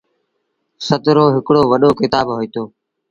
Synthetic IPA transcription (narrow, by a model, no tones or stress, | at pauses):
sət̪ɾoːɦɪkɽoːʋəɗoːkɪt̪aːbɦoːiːt̪oː